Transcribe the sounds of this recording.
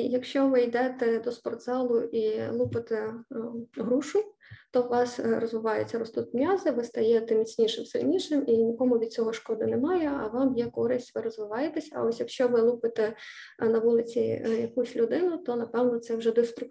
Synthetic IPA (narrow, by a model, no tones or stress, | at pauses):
jɐkʃt͡ʃɔʋɪjd̪ɛt̪ɛd̪ɔspɔrd̪zɑlˠʊʔilˠupɪt̪ɛ | ɦɾuʃʊ | t̪ɔʋɑsrɔzʋɪʋɑjʊ̰t͡sʲːɐɾɔst̪ut̪ʲnʲɑzɪʋɪst̪ɐjɛt̪ɛmʲit͡sʲnʲiʃɪmsɪ̰lʲnʲiʂɪminʲikɔmʊʋʲid̪t͡sʲɔɦɔʃkɔd̪ɪnɛmɑjɛɐ̰ʋɑmjɛkɔɾɪsʲtʲʋɪɾɔzʋɪʋɑjet̪ɛsʲɐɐ̰ɔsʲjɐkʃt͡ʃɔʋɪlˠupɪt̪ɛnɐʋulˠɪt͡sʲijɐkusʲlʲʊd̪ɪnʊt̪ɔnɐpɛwnɔt̪sɛwʒɛd̪ɪst̪ɾʊ